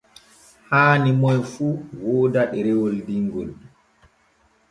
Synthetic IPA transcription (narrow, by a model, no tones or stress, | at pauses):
haːnimɔjfuːwɔːdaɗɛɾɛwɔldiŋɡɔl